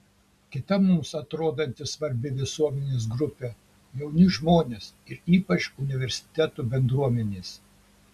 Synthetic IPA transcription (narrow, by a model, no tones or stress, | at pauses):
kʲɪt̪ɐmʊmsɐt̪ɾoːd̪ɐnʲt̪ʲɪsʋɐɾʲbʲɪʋʲɪsuɔmʲɛnʲeːsɡɾʊpʲɛ | jɛʊnʲʊʒmoːnʲeːsɪɾiːpɐt͡ʃʊnʲɪʋʲɛɾʲsʲɪ̥t̪ʲæt̪uːbʲɛnd̪ɾuɔmʲɛnʲeːs